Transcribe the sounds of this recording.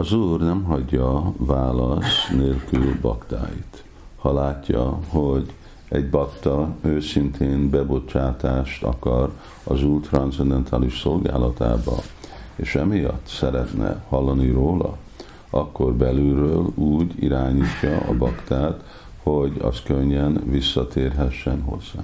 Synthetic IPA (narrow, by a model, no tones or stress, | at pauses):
ɒzuːrnɛmɦɒɟːɒvaːlɒsneːlkylbɒkt̪a̰ːjḭt̪ | hɒlaːcːɒho̞ɟ | ɛɟbɒkt̪ɒøːsint̪ʰeːnbɛbo̞t͡ʃaːt̪aːʃt̪ɒ̰kɒr | ɒzuːlt̪rɒnt̪sɛnd̪ɛnt̪ʰaːliʃso̞lɡa̰ːlɒt̪a̰ːbɒ̰eːʃɛmijɒt̪ːsɛɾɛt̪nɛ̰hɒlːɒniɾoːlɒ | ɒkːo̞rbɛlyrøːluːɟḭɾaːɲiːcːɒʔɒbɒkt̪aːt̪ | ho̞ɟɒ̰skøɲːɛnvisːɒt̪eːrɦɛʃːɛnɦo̞̰zːa̰ː